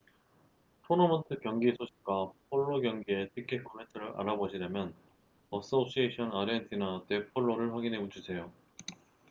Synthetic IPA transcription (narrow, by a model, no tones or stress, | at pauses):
pʰonomʌntʰɯkjʌŋɡisʰoɕʰi̥k̚k͈wapʰoɭːoɡjʌŋɡie̞tʰikʰekʰometʰɯɾɯɾʔa̰ɾaboɕʰiɾjamjʌn | ʌs͈oɕ͈ʰieɕʰʌnaɾentʰinate̞pʰoɭːoɾɯɭɸwaɡinɦe̞ut͡ɕʰusʰe̞jo